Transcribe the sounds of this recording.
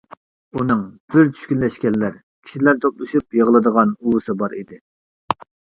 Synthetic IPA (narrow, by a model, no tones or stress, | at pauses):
unɨŋb̥ɪɾt͡ʃʰy̥ʃkʲynlɛʃkʲɛnːæɾ | kʲʰi̥ʃilæɾt̪ʰoplˠɨʃyp̚jəʁəlˠɨd̪əʁɑnuwɨsɨbɑɾḭd̪ɪ